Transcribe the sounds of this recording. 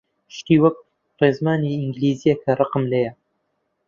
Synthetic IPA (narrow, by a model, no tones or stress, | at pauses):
ʃt̪iːwɐk̚ | rezmaːniɪŋɡliːzijɛkʰɐrˤɑqɨmlejɐ